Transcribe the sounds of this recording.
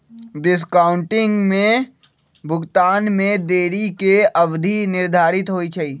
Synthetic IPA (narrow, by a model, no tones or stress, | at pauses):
ɖɪs̬kaːʊ̃ɳʈɪ̃ŋɡmẽ | bʱʊɡt̪aːnmẽd̪eːɾikeɐʋd̪ʱinɪɾd̪ʱaːɾɪt̪ɦoːit͡ʃʰaiː